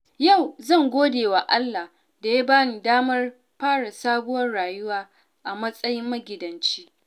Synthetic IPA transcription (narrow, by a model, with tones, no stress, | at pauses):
ja˦˨wzɐ˦˨ŋɡʷoː˦deː˨wa˨ʔa˦lːa˨ | da˨ja˦baː˦ni˨daː˦mɐ˦r | ɸaː˦ɽa˨saː˦ɡʊ˦wɐ˦rɽaː˨jʊ˦waː˦ | ʔa˨mɐ˦sʼɐ˦jɪ˦mːɐ˦ɡʲɪ˨dɐ˨nt͡ʃi̥ː˦ʔ